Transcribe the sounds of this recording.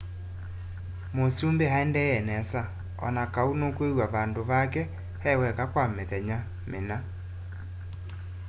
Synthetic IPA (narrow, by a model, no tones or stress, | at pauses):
mosiombehaɛndɛjɛnɛsa | ɔ̰nakaunokwewaβandoβakɛ | hɛwɛkakwameðɛɲa | mena